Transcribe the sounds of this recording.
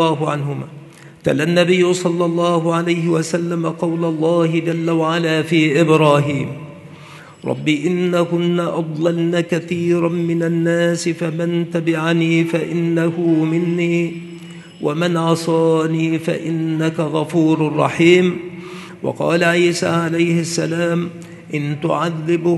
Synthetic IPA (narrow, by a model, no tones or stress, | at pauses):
aːɦʊʕanɦʊma̰ː | t̪a̰lanːabɪjːʊsˤɑlːɑlˤːɑːɦʊʕalajɦɪwasalːamaqɑwlalˤːɑːhɪd͡ʒalːawaʕalaːfiːʔɪbɾaːɦiːm | ɾˤɑ̰bːiːʔɪnːakʊnːaʔɑd̪ˤlɑlnakaθiːɾamɪnanːaːsɪfamɪnt̪abɪʕaniːfaʔɪnːahʊmɪnːiː | wʔamɪnʕɑsˤɑːniːfa̰ʔɪnːakaɣɑfuːɾrˤːɑ̰ħiːm | wɑ̰qɑ̰ːlaʕiːsa̰ːʕalajhɪsːalaːm | ʔɪnt̪ʊ̰ʕaðːɪbʊ